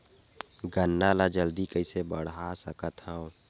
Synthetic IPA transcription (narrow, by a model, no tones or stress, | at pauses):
ɡənːalad͡ʒəld̪ikəɪsebəɽ̤asəkət̪hɛ̃o